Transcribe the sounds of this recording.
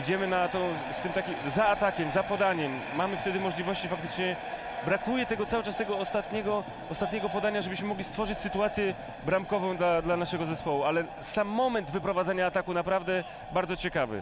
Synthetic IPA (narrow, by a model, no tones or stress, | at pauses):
id͡ʑɛmɘnat̪ɔ̃w̃ | st̪ɘmt̪akʲimzaːt̪akʲɛmzapɔd̪aɲɛmːamɘft̪ɛd̪ɘmɔʐlʲivɔɕt͡ɕifak̚t̪ɘ̥t͡ʂɲɛ | bɾakujɛt̪ɛɡɔt̪sawɘt͡ʂast̪ɛɡɔːst̪at̪ɲɛɡɔ | ɔst̪at̪̚ɲɛɡɔpɔd̪aɲaʐɛbɘɕmɘmɔɡlʲist̪fɔʐɘt͡ɕsɘt̪uat̪sʲjɛ | bɾamkɔvɔ̃w̃d̪lad̪lanaʂɛɡɔzɛspɔwualɛ | samːɔmɛnd̪vɘpɾɔvad̪aɲaːt̪akunapɾavd̪ɛ | baɾd̪zɔt͡ɕɛkavɘ̰